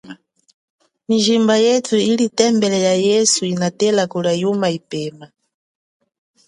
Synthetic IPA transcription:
miʒimbajɛtʰuilitɛmbɛlɛjajɛsuinatɛlakulajumaipɛːma

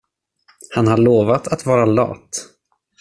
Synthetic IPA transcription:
hanhaɭoːvat̪at̪vɑːɾalɑ̰ːt̪

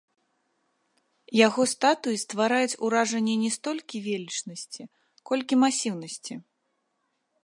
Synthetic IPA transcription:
jaɣɔst̪at̪uist̪vaɾajut͡sʲuɾaʐɐnʲːɛnʲɛst̪ɔlʲkʲivʲelʲit͡ʂnɐsʲt͡sʲi | kɔlʲkʲimasʲiwnɐsʲt͡sʲi

